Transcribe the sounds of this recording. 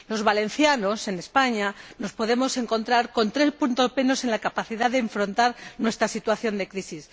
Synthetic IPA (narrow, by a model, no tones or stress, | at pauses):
lo̞zβalẽ̞n̟θjano̞se̞ne̞spaɲano̞spo̞ðe̞mo̞se̞ŋkõ̞nt̪ɾaɾko̞nt̪ɾe̞spunt̪ope̞no̞se̞nlakapaθiðaðeːɱfɾo̞nt̪aɾnwe̞st̪ɾasit̪waθjo̞nd̪e̞kɾisis